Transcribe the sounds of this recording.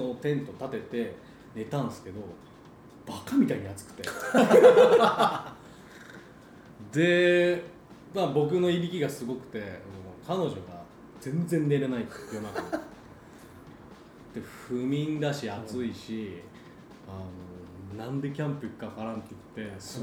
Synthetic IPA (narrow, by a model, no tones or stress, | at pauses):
not̪ẽ̞nt̪o̞t̪at̪e̞t̪e̞ | ne̞t̪ãɰ̃sɨ̥ke̞d̪o̞ | b̥akamʲit̪aiɲ̟iat͡sɨ̥kɯ̥t̪e | d̪e̞ | mabo̞k̬ɯ̟no̞ibʲikʲiɡasɨɡo̞kɯ̟̥t̪e̞anokʰano̞ʑo̞ɡa | d͡zẽ̞nd͡zẽ̞nːe̞ɾe̞nait̪jonak̪ | d̪̥e̞ɸɯ̟mʲĩnd̪aɕiat͡sɨiɕi | ano̞nãnd̪e̞kʲãmpɯkkːapaɾãnt̪ːeit̪ːe̞sɨ